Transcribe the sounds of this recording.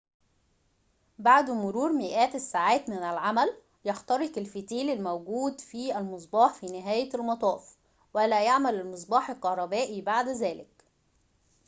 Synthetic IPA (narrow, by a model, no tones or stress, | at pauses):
baʕd̪mʊɾuːɾmɪʔæːt̪æsːaʕaːt̪mɪnælʕamæl | jɑxt̪ɑɾˤɪkɪlfit̪iːlɪlmæwɡuːd̪fiælmɪsˤbɑːħfiːnɪɦæːjæælmɑt̪ˤɑːf | wælæjaʕmælælmɨsˤbɑːħelqɑhɾˤɑbæːʔibaʕd̪zæːlɪk